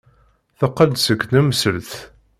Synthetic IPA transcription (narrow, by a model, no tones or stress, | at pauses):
θəqːəld̪səkːnæməsəlθ